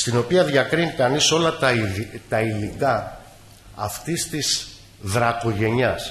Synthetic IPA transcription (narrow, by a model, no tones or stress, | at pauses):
st̪ino̞piɐðʝɐkɾinikɐniso̞lɐt̪ɐt̪ɐilikɐː | ft̪ist̪is | ðɾɐko̞ʝe̞ɲɐs